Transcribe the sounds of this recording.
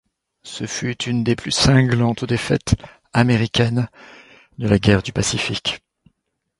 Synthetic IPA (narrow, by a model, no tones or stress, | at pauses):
səfyt̪ʰynd̪eplysɛ̃ɡlɑ̃t̪d̪efɛ̰t̪ | ameʁikʲɛn | d̪əlaɡʲɛʁd̪ypasifik